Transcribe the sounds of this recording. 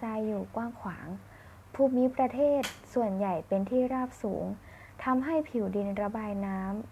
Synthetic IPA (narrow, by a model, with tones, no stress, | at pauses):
aː˧jːuː˨˩kwaː˥˩ŋkʰwaː˩˦ŋ | pʰuː˧˩miː˧˥pɾa˧t̪ʰeː˥˩t̪̚su˨˩ənja˨˩jpe˧nt̪ʰiː˥˩ɾaː˥˩p̚sṵː˩˦ŋ | t̪ʰa˧mɦa˥˩jpʰi˩˦wdi˧nɾa˧baː˧jnaː˦˥m